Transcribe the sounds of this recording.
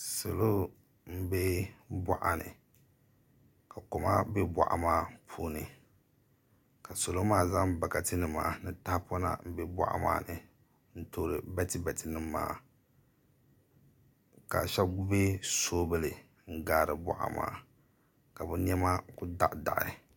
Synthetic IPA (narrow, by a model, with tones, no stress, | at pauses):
so˨lo˦ | m̩˦be˦ba̰˦ʔa˨nɨ̰˨ | ka˨kʊ˨ma˦be˦bʷa̰˨ʔa̰˨maː˦pʰuː˦nɨ˨ | ka˨so˨lo˦maː˦˨za˦ŋ˦ba˨ka˨tɨ˦nɨ˨mːaː˨nɨ˨ta˦hpɔ˦na̰˦m̩˦bɛ˦bʷa̰˦˨ʔa̰˦ma̰ː˦nɨ˨ | n̩˦to˦ɾɨ˨bɛ˦tɨ˦bɛ˨tɨ˨nɨ˦mːa̰ː˨ | ka̰˨ʃɛ˦bbe˦soː˦bɨ˦lɨ˨ | ŋ̩˦ɡaː˦˨ɾɨ˨ba̰˨ʔa̰˨ma̰ː˦˨ | ka˨bu˦n˦ɛ˦ma˦kʊ˦da̰˦ʔda̰˨ʔɪ̰˨˦˨